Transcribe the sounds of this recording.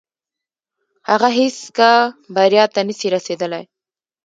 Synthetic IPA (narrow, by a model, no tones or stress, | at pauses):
haɣaɦeskabaɾijɑt̪anəsiɾased̪əlaj